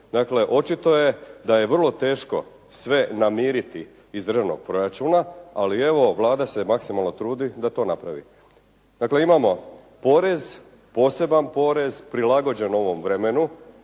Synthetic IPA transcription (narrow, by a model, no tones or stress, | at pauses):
d̪akle̞ʔo̞t͡ʃit̪o̞je̞d̪aje̞ʋər̩lˠo̞t̪e̞ːʃko̞̰ | sʋe̞namiːɾit̪i | izd̪rʒaʋno̞̰ɡ̥̚pɾo̞ɾat͡ʃunaalie̞ʋo̞ʋlˠaːd̪asemaksimalˠno̞t̪ɾuːd̪id̪at̪o̞ːnapɾa̰ʋḭ | d̪akle̞imamo̞ | po̞ɾe̞z | po̞ːse̞banpo̞ɾe̞zpɾilaɡo̞d͡ʑe̞no̞ʋo̞mʋɾemenu